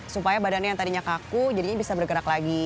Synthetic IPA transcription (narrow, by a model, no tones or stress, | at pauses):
supajabadanɲajaŋt̪adiɲakakud͡ʒadiɲabisabərɡəɾaklaɡi